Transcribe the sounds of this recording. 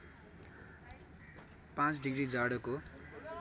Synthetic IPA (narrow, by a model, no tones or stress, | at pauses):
pãt͡sɖiɡrid͡zaɽʌko